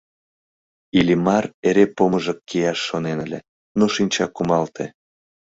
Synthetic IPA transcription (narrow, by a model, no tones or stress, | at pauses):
ilʲimɑreɾepoməʒə̆kːijɑʃːonenəlʲḛ | noʃinʲt͡ɕɑkːumɑlt̪ʰe